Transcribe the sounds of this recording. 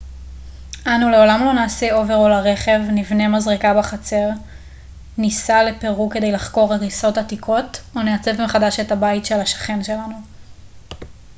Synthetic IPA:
ʔanule̞o̞lamlo̞naːseo̞ve̞ʁolaʁe̞χe̞vnivne̞mazʁikabaχat͡se̞ʁ | nisale̞pe̞ʁuke̞de̞jlaχko̞ʁhaʁiso̞thatikʰo̞toneat͡se̞vmeχadaʃe̞tabaitʃe̞laʃḁχe̞nʃe̞lanu

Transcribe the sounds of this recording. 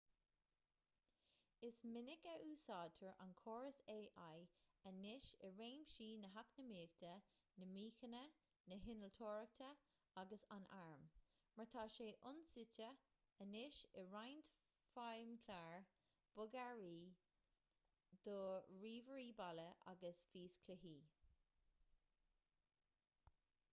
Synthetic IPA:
ɪsmɪnɪkəʔuːsaːdt̪ʰəɹa̰nkʰoːɹəseːʔajənɪʃəɹẽːmʃiːnəɦaknəmiːkt̪ʰə | nəmiːxənə | nəɦɪnəlt̪ʰoːɹək̚t̪ʰə | aɡəsanʔaɹm | məɹt̪ʰaːʃeːʔʊnsɪtə | ənɪʃəɹajnt̪ | fajmkʰlaːɹ | b̥ʊɡaɹiː | d̪̥ɔɹiːvəɹiːbaləʔa̰ɡəsfiːskʰlɪɦiː

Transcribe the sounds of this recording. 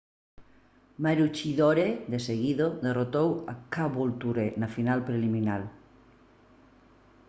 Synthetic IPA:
maɾut͡ʃiðoɾeðeseɣiðoðerot̪owa̰kaβolt̪uɾenafinalpɾeliminal

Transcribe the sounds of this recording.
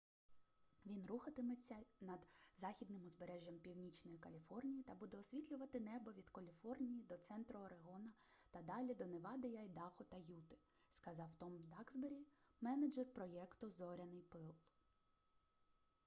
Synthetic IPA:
ʋʲinruxɐt̪ɪmɪt͡sʲːɐnɐd̪zɑxʲid̪nɪmɔzbeɾɛʒʲjɐmpʲiwnʲit͡ʃnɔjikɐlʲifɔrnʲijit̪ɐbud̪ɛɔsʲʋʲit̪ʲlʲʊʋɐt̪ɪnɛbɔʋʲid̪kɐlʲifɔrnʲijid̪ɔt̪sɛnt̪ɾɔɔɾeɦɔnɐt̪ɐd̪ɑlʲid̪ɔneʋɑd̪ɪjɐjd̪ɑxɔt̪ɐjut̪ɪ̥ | skɐzɑwt̪ɔmd̪ɑɡzbeɾʲimɛnɐd͡ʒɛrpɾɔjɛkt̪ʊzɔɾʲɐnɪjpɪlˠ

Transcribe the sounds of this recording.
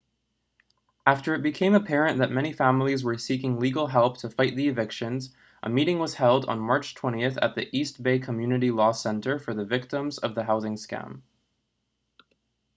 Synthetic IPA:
ʔæftə˞ɨt̚b̥ɨkʰẽɪ̃məpʰɛɹɨ̃nðɨt̚mɛɾ̃ifæ̃ml̩ˠizwə˞sikɪ̃ŋliɡl̩ˠɦɛlˠp̚tʰɨfaɪt̪̚ðiɨvɪkʃɨ̃nz | ʔə̰miɾɪ̃ŋwʌz̥hɛlˠdn̩mɑɹt͡ʃtʰw̥ɛ̃ɾ̃iɨθɨ̰t̪̚ðiʔist̚b̥eɪkʰəmjʉnɨɾilɔsɛ̃ntə˞fə˞ðɨvɪk̚tə̃mzʌ̰vðɨɦaʊzɪ̃ŋskæ̰̃m

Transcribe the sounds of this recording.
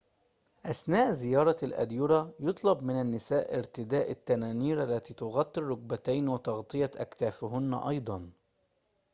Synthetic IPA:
ʔasnaːʔzɪjɑːɾˤɑlʔa̰d̪jʊɾˤɑjʊt̪ˤlɑbmɪnanːɪsaːʔɪɾt̪ɪd̪aːʔat̪ːanaːniːɾʔalːat̪iːt̪ʊɣɑt̪ˤːɨɾːʊɡ̚bat̪ajnwɪt̪ɑɣt̪ˤɨjaʔa̰kt̪aːfɦʊn̰ːʔɑ̰jd̪ˤɑn

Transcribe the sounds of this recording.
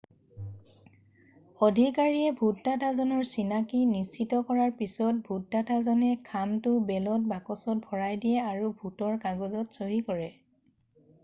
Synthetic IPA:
odʱikaɹiɛbʱuttatʰazɔnɔɹsinakinisitɔkɔɹaɹpisɔt̚bʱut̚ːatʰazɔnɛkʰamtʊbɛlɔt̚bakɔsɔt̚bʱɔɹajdijɛaɹubʱutɔɹkaɡozɔtsoɦikɔɹɛ

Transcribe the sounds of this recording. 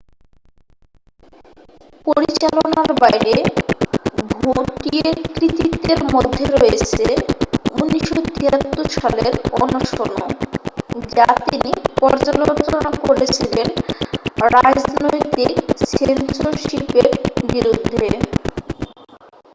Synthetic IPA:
poɾit͡ɕalonaɾbajɾe | bʱoʈiekɾit̪it̪ːeɾmod̪ʱːeɾoet͡ɕʰeuniʃot̪iɦat̪ːoɾʃaleɾɔnoʃono̰ | d͡ʑat̪inipɔɾd͡ʑalot͡ɕonakoɾet͡ɕʰilen | ɾad͡ʑnnojt̪iksensoʃipeɾbiɾud̪ʱːe

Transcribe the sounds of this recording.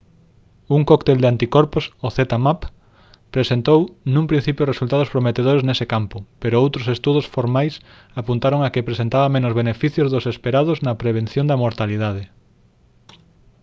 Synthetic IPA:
uŋkokt̪eld̪eant̪ikɔɾpʊsoθet̪amap | pɾesent̪ownũŋpɾin̟θipjʊresult̪að̞ospɾomet̪eðoɾeznesekampʊpeɾʊowt̪ɾosest̪uð̞osfoɾmajs | apunt̪aɾoŋakepɾesent̪aβɐmẽnʊzβenefiθjozðʊsespeɾaðʊznɐpɾeβ̞en̟θjond̪ɐamoɾt̪aliðað̞e

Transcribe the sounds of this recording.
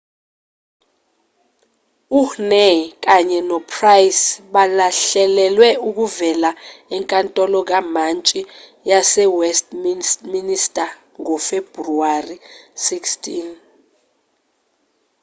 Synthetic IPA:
uhnek̬ʼaɲɛnɔpʰraisɓalaɬɛlɛlwɛuk̬uvɛlaɛŋkʼantʼɔlɔk̬amant͡ʃʼi | jasɛwɛst̚ʰʼmiministʼa | ŋɔfeb̥ruarisikstʰʼin

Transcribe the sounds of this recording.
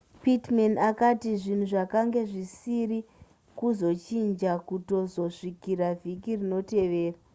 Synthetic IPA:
pitmenakatiʐin̤uʐakaŋɡe̞ʐisiɾi | kuzo̞t͡ʃind͡ʒakuto̞zo̞ʂikiɾavʱikirino̞te̞ʋe̞ːra

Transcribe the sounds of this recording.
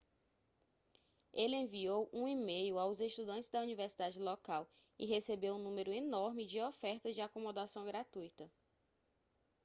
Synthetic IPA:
eliẽviowʔũimejʊawzeʃt̪ud̪ɐ̃t͡ʃɪzd̪ɐuniveɾsid̪ad͡ʒɪlɔkaw | ɪ̰ɦesebewũnũmeɾʊenɔɾmɪd͡ʒɪɔfɛɾt̪ɐd͡ʒɪakomod̪asɐ̃w̃ɡɾat̪ujt̪ɐ

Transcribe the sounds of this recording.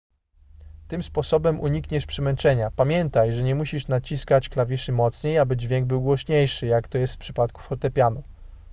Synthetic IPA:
t̪ɘmspɔsɔbɛmʔuɲikɲɛʂpʂɛmɛnt͡ʂɛɲapamʲjɛnt̪ajʐɛɲɛmuɕiʂnat͡ɕiskat͡ɕklavʲiʂɘmɔt̪sɲejabɘd͡ʑvʲjɛŋɡ̚bɘwɡwɔɕɲejʂɘjakt̪ɔjɛst̪fpʂɘpat̪ku̥fɔt̪ɛpʲjanu

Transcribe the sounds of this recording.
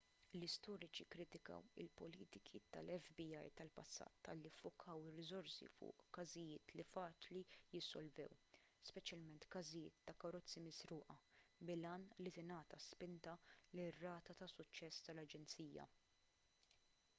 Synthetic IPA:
lɪst̪ɔːɾɪt͡ʃikɾɪt̪ɪkɐ̰wɪ̰lpɔliːt̪ɪkʰit̪ɐlɛfbiɐjt̪ɐlpɐsːɐ̰ːt̪ːɐ̰lːifːʊkʰɐwɪrːɪzɔɾsḭfʊ̰ːʔkɐzɪjɪːt̪lifɐːt͡ʃlijɪsːɔlvɛ̰w | spɛt͡ʃjɐlmɛnt̪kɐzɪjɪːt̪ːɐkɐɾɔt͡sːimɪsɾuːʔɐbɪlɐːnlit̪ɪnɐːt̪ɐspɪnt̪ɐlɪrːɐːt̪ɐt̪ɐsʊt͡ʃːɛst̪ɐlɐd͡ʒɛnt͡siːjɐ̰

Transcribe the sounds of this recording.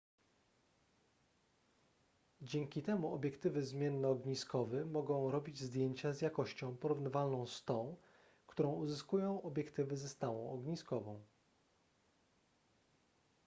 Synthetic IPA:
d͡ʑɛŋkʲit̪ɛmuɔbʲjɛkt̪ɘvɘzmʲjɛnːɛːɡɲiskɔvɘmɔɡɔ̃w̃ɾɔbʲid͡ʑzd̪ʲjeɲt͡ɕazjakɔɕt͡ɕɔ̃w̃pɔɾuvnɘvalnɔ̃w̃st̪ɔ̃w̃ | kt̪uɾɔ̃w̃uzɘskujɔ̃w̃ʔɔbʲjɛkt̪ɘvɘzɛst̪awɔ̃w̃ɔɡɲiskɔvɔ̃w̃

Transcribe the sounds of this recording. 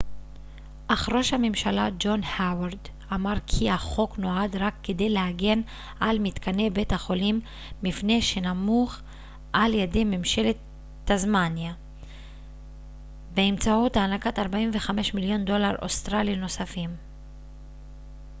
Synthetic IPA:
ʔaχʁo̞ʃhamemʃalad͡ʒo̞nhawaʁd̪ | amaʁkʰihaχo̞kno̞ad̪ʁakːed̪e̞jlehaɡe̞n | ʔalmit̪kane̞be̞thaχo̞limː | ifne̞ʃe̞namuχ | ʔaljede̞jmemʃe̞letː | azmanja | beemt͡saot̪aːnakat̪aʁbaimve̞χame̞ʃmiljo̞ndo̞laʁʔo̰st̪ʁalino̞safim

